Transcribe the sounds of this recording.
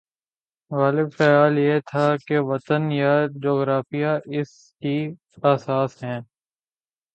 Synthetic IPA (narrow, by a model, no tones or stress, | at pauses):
ɣaːlɪbfɛːaːljet̪ʰakeʋɐt̪ənjad͡ʒoːɣɾaːfijaʔɪs | ki | aːsaːsɦɛ̃ː